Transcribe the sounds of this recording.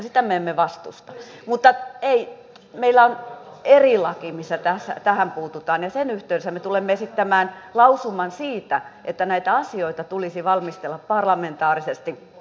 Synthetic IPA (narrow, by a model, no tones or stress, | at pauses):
sit̪æmeemːeʋɑst̪ṵst̪ɑmut̪ːɑei | meilːˑæon | erilɑkimisːæt̪æsːæ̰t̪æhæmpuːt̪ut̪ɑːnjɑsenyht̪eyesæmet̪ulemːeesit̪ːæmæːnlɑusumɑnsiːt̪æʔet̪ːænæit̪æɑsioit̪ɑt̪ulisiʋɑlmist̪elːɑppɑrlɑment̪ɑːrisest̪i